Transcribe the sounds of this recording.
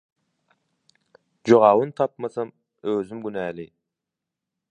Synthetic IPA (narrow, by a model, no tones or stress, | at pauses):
d͡ʒoʁɑwɯnt̪ʰɑp̚mɑsɑm | øzɪmɡynæːli